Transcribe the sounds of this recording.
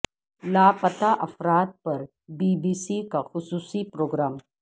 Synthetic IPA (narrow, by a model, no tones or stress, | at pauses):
laːpɐt̪aʔɐfɾaːt̪̚pɐɾ | biːbiːsikaxʊsuːsipɾoːɡɾaːm